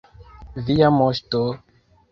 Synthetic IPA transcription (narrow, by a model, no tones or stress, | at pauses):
viamoʃto